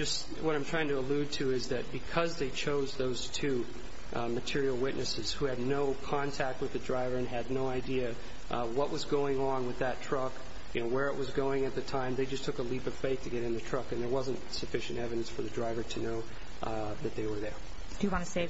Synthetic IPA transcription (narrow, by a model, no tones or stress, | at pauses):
d͡ʒʌst | wʌɾãɪ̃mʰɹ̥aɪɪ̃ŋtʰəəlʉd̚tʰɨɪzðɨt̚b̥ɨkʰʌzðeɪt͡ʃʰoʊzðoʊz̥tʰʉ | mɨtʰɪɹil̩ˠwɪtⁿnʔɨsɨz̥huɨdⁿnoʊkʰɑ̃ntʰæk̚t̚wɨðɨdɹaɪvə˞ɨ̃nɨdⁿnoʊaɪdiɨ | wʌʔ̚wʌzɡoʊɪ̃ŋə̃nwɨðɨtʰɹ̥ʌk | jɨnoʊwə˞ɨʔ̚wʌzɡoʊɪ̃ŋɨt̪̚ðɨtʰãɪ̃mðeɪd͡ʒʌstʰʊkəlipʌv̥feɪθtʰɨɡɛɾɨ̃nðɨtʰɹ̥ʌkɨ̃nðə˞wʌzɨ̃ntsɨfɪʃɨ̃n̩tɛvɨɾɨ̃nsfə˞ðɨdɹaɪvə˞ɾʰɨnoʊ | ðɨt̪̚ðeɪwə˞ðə˞ | d̥ɨjɨwɑ̃nɨseɪ